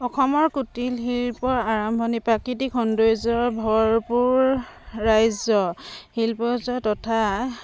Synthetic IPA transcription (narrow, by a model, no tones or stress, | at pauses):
ɔkʰɔmɔɹkutilɦilpɔɹaɹɔmbʱɔnipɹakitikʰɔndojzɔɹbʱɔɹpuɹː | ajzɔhilpɔzɔtɔtʰa